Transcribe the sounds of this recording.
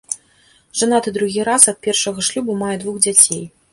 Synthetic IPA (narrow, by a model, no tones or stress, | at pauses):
ʐ̥anat̪ɨd̪ɾuɣʲiɾasɐt̪̚pʲɛrʂɐɣɐʂlʲubumajɛd̪vuxd͡zʲat͡sʲej